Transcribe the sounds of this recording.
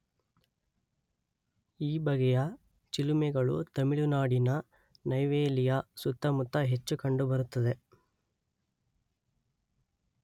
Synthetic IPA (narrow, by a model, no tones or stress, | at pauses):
iːbɐɡɛjɐ | t͡ʃilumɛɡɐɭṵt̪ɐmiɭunaːɽinɐ | nɐjʋeːlijɐsut̪ːɐmut̪ːɐɦe̞t͡ʃːukɐɳɖubɐɾut̪ːɐd̪e̞